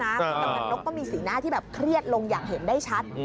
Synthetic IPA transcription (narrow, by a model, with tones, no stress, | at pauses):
naː˦˥˧t̪ːma˨˧˩nno˦˥kːɔː˥˩miː˧siː˨˩˦naː˥˩t̪ʰiː˥˩bɛː˨˩p̚kʰɾi˥˩ət̪̚lo˧ŋjaː˨˩k̚he˩˦ndaː˥˩jt͡ɕʰa˦˥t̪̚